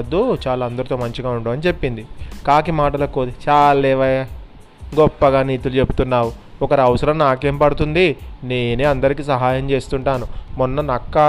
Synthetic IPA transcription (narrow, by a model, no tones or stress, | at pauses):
d̪ːut͡ʃaːlaːɐnd̪ɐɾut̪oːmɐɲt͡ʃiɡaːuɳʈumɐnit͡ʃe̞pːind̪ikaːkimaːʈɐlɐkːoːt̪t͡ʃaːllɛːʋɐja | ɡɔpːɐɡaːniːt̪ulut͡ʃe̞but̪unːaːwu | ɔkɐɾiɐʋɐsɐɾɐmnaːkeːmpɐɽut̪und̪ine̞ːneːɐnd̪ɐɾikiːsɐɦaːjɐmt͡ʃe̞ːst̪uɳʈaːnumunːɐnɐkːa